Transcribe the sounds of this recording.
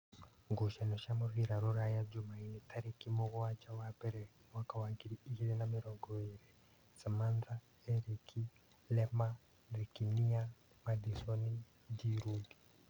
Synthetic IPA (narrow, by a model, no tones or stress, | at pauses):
ŋɡuʃanɔʃamuɾiɾaɾuɾajad͡ʒumainitʰaɾikimɔɣɔwat͡ʃawapɛɾɛ | mwakawaŋɡiɾiiɣiɾɛnamiɾɔɡɔiɾɛ | samand͡za | ɛɾikʰi | lɛma | rikinia | madisɔni | diɾudi̥